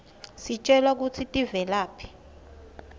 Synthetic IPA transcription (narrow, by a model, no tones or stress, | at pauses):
sit͡ʃʼɛlak̬ut͡sʰitʼivɛlaːpʰi̥